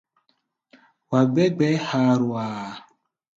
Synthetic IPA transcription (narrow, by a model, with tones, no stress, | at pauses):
wa˨ɡ͡bɛ˦ɡ͡bɛ˦ha˦ɾu˨aː˨